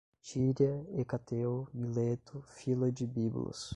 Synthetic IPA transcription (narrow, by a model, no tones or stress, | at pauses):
t͡ʃiɾjɐekat̪ewmilet̪ʊfilɐd͡ʒɪbiblɐ̰s